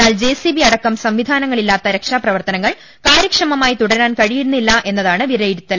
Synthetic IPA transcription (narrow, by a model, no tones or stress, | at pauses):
aːld͡ʑe̞ːsibiɐɽɐkːɐmsɐmʋid̪ʱaːnɐŋːɐɭilːaːt̪ːɐɾekʂaːprɐʋɐrt̪ɐnɐŋːɐɭ | kaːɾjɐkʂɐmɐmaːjit̪uɽɐɾaːnkɐɻijiɾunːilːɐʔe̞nːɐðaːɳɨʋiɾɐjiɾut̪ːɐl